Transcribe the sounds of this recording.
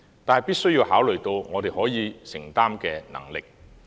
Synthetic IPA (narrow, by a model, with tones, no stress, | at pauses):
t̪aː˨nɦɐ˨jpiː˥t̚sɵ˥ɥjiː˧whaː˨˥wlɵ˨˩ɥt̪o˧wŋɔː˨˧t̪e˨˩jhɔː˨˥jiː˨˧sɪ˨˩ŋt̪aː˥mkɛː˧nɐ̰˨˩ŋlɪ˨k̚